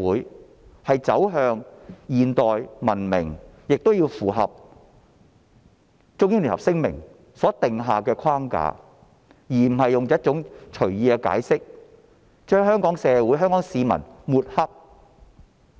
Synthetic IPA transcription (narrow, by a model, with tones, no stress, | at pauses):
uː˨˥j | hɐ˨jt͡sɐ˨˥wɦœː˧ŋjiː˨nt̪ɔː˨jmɐ˨˩nmɪ˨˩ŋjɪ˨k̚t̪o˥wjiː˧wfuː˨˩ɦɐ̰˨p̚ | t͡sʊ˧˥ŋji˥nli˨˩hɐ̰˨p̚sɪ˥ŋmɪ̰˨˩ŋ | sɔː˨˥t̪ɪ˨ŋɦaː˨kɛː˧kʰwaː˥ŋka̰ː˧˥ | jiː˨˩m̩˨˩ɦɐ˨jːʊ˨ŋt͡sɔ˨˦˥tt͡sʊ˨˥ŋt͡ʃʰɵ˨˩ɥjiː˨˧kɛː˧ka̰ː˨˥jsɪ˥k̚ | t͡ʃœː˥ŋɦœː˥ŋkɔː˨˥ŋsɛː˨˧wuː˨˥jɦœː˥ŋkɔː˨˥ŋsiː˨˧mɐ̰˨˩nmuː˨t̚hɐ˥p̚